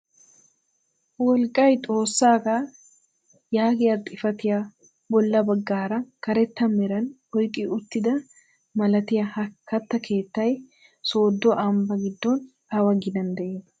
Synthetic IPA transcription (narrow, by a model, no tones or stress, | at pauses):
wɔlkʼːɐjt̪ʼo̞ːsːaːɡa | jaːɡɪjat̪ʼɪfɐt̪ɪja | bɔlːɐbɐɡːaːɾɐkɐɾɛt̪ːɐmɛɾɐn | ɔjkʼːɪʊt̪ːɪd̪ɐ | mɐlɐt̪ɪjahɐkʰːɐt̪ːɐkʰe̞ːt̪ːɐj | so̞ːd̪ːɔʔɐmbɐɡɪd̪ːɔn | ɐwɐɡɪd̪ɐnd̪ɛʔeːt̪ɐ